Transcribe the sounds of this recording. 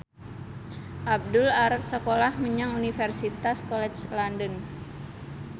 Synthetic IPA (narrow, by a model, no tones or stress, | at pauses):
ʔab̚dulaɾap̚səkolahməɲaŋunifɛrsit̪askolɛt͡ʃlandən